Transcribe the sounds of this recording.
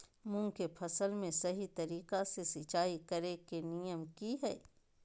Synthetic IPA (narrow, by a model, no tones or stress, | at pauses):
mʊ̃ŋkepʰɐsəlmẽsɐɦit̪ɐɾiːqasesɪt͡ʃaːikɐɾekenijəmkiɦɛː